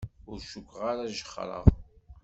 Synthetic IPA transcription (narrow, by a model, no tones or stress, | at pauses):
ʊɾʃukʷːʁaɾaʒəχːɾˤə̰ʁ